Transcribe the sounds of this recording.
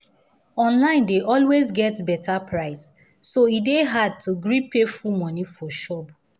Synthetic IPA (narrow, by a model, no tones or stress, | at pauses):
ɔ̃nlãɪ̃ndeʔɔlwezɡɛtbɛtʰapʰɹaɪsː | oideɦad̚tʰuɡɹipefumɔ̃nifɔʃɔb